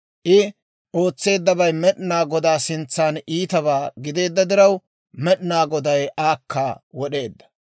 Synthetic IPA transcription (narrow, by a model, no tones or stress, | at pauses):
ʔɪ | ʔo̞ːt͡sːe̞ːd̪ːɐbɐjmɛɗnaːɡɔd̪aːsɪnt͡sːaːnʔiːt̪ɐβaːɡɪd̪e̞ːd̪ːɐd̪ɪɾɐw | mɛɗnaːɡɔd̪ɐjʔaːkʰːaːwɔɗe̞ːd̪ːɐ̥